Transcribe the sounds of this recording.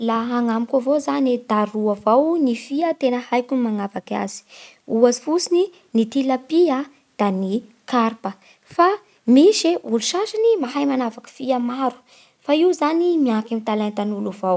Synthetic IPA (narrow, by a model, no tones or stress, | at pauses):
laɦaŋamikʲavozaned̪aɾuavawnifiət̪enəhajkunmaŋavaka̰z̥i̥ | uazi̥fusini | nit̪ilapia | d̪̥ani | kaɾpə | fa | miʃeʔuluʃaʃinimaɦajmanavakə̥fiamaɾu̥ | faiwzanimiakamit̪alajnt̪anuluvaw